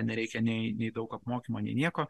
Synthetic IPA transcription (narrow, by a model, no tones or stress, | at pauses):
nʲɛɾʲɛɪkʲɛnʲɛɪnʲɛɪd̪ɒʊkɐpmoːkʲiːmoːnʲɛ̰ɪnʲiɛkoː